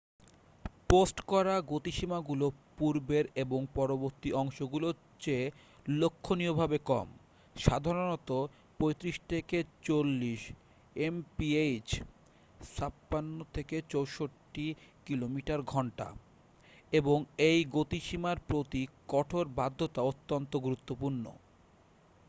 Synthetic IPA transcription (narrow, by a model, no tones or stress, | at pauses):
posʈkɔɾaɡot̪iʃimaɡulopuɾbeɾeboŋpɔɾoboɾt̪iɔŋʃoɡulo | t͡ɕe | lokʰːoniobʱabekɔ̰m | ʃad̪ʱaɾonɔt̪o | pojt̪ɾiʃt̪ʰeket͡ɕolːiʃ | empiejd͡ʑ | ʃʰapːanːot̪ʰeket͡ɕowʃoʈːikilomiʈaɾɡʱɔɳʈa̰ | eboŋejɡot̪iʃimaɾpɾot̪ikɔʈʰoɾbad̪ʱːot̪aot̪ːont̪oɡuɾut̪ːopuɾno̰